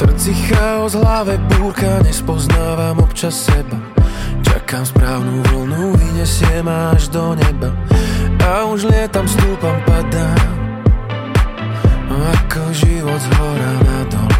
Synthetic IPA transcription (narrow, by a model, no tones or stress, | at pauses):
t̪r̩t͡sixaɔzɦlaʋɛpuːɾkaɲɛspɔznaːʋaːmɔpt͡ʃasːɛbat͡ʃa̰kaːmspɾaːʊnuvɔlnuviɲɛsɪɛmaaʒd̪ɔɲɛba | auʒlɪɛt̪amst̪uːpampad̪a | akɔʒiʋɔd̪zɦɔɾanad̪ɔ̰l